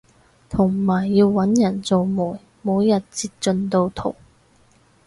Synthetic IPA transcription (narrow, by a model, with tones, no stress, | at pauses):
t̪ʰʊ˨˩ŋmaː˨˩jːiː˧wːɐ˨˥njɐ˨˩nt͡so˨wmuː˨˩j | muː˨˥wjɐ˨t̚t͡siː˧t̚t͡ʃɵ˧nt̪o˧wt̪ʰo̰˨˩w